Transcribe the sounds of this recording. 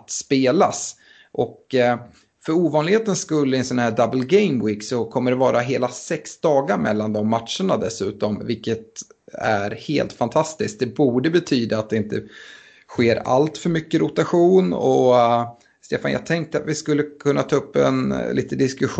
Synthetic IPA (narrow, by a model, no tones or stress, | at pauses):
t̪speːlas | ʔɔk | fœɾuːvɑːnlɪɡheːt̪ənskɵlːəɛnsɔnhæːɖabəlɡɛjmwiːksɔkʰɔmːəɖɛvɑːɾʔaɦeːlasɛksd̪ɑːɡaɾmɛ̰lːand̪ɔmːat̪ʂəɳad̪ɛsʉ̟ːt̪ɔmvɪlkːət̪æɾhḛːlt̪fant̪ʰast̪ɪsk̚d̪ɛbuːɖəbɛt̪ʰyːd̪aːt̪̚d̪ɛɪnt̪ʰə | ɧeːɾa̰lt̪fœɾmʏkːəɾʊt̪aɧuːnɔ | st̪eːfanjɑ̰ɡ̚t̪ʰɛŋk̚t̪əat̪vɪskɵlːəkʰɵnːat̪ʰɑːɵpːɛ̰nlʔḭːt̪əd̪ɪskɵɧ